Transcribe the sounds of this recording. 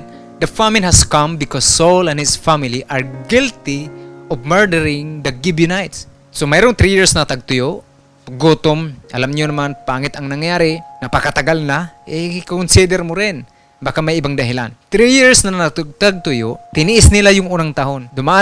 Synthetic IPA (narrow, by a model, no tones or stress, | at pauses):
d̪ɐfamɪnɦaskãmbɪkɔsːolɛ̃nhɪsfamɪliʔaɹɡɪlt̪iɔvmɛɹdɛɾɪŋd̪ɐɡɪbjʊnajt̪s | somajɾʊŋt̪ɾijɪɹsnɐt̪aɡ̚t̪ʊjoʔ | ɡot̪ʊmʔa̰lamɲʊnamanpaŋɪt̪aŋnaŋjaːɾɪnɐpakat̪aɡalnaʔɛkakʊnsid̪ɛɾmʊɾɪn | bakamajɪbaŋd̪aɦɪla̰nt̪ɾijɪɹsnannt̪ɡ̚t̪aɡ̚t̪ʊjʊʔt̪ɪnɪʔɪsnɪlajʊŋuːnaŋt̪aɦond̪ʊmaʔa